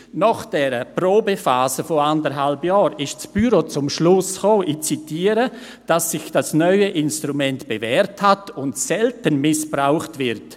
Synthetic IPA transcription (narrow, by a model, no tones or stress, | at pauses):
nɔχd̥ɛːɾəproːbəfaːsəfoandəɾɦalbjɑːɾɪʃt͡sb̥yɾot͡sʊmʃlʊsχoːʔit͡sitiːəɾə | d̥asːɪçd̥asnœʏəʔɪnstɾumɛntb̥evɛːɾthatʊntsɛltənmɪsb̥raʊχtvɪɾt